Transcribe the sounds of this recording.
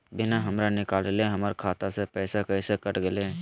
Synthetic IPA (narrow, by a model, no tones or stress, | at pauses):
bɪnaɦɐmɾanɪkaːleleɦɐməɾkʰaːt̪asepɛːsekɛːsekəʈɡeleː